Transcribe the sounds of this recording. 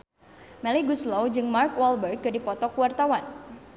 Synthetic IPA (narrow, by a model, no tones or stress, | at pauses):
mɛliɡuslowd͡ʒɨŋmarkwalbərɡ̚dadipɔt̪ɔkuwart̪awan